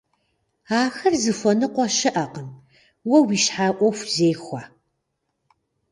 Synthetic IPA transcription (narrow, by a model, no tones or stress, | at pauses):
aːxɐrzɨfʷɔnɨqʷɔʃɪʔɐqən | wɐwiːʃħaːʔʷɔxʷzeːjxʷa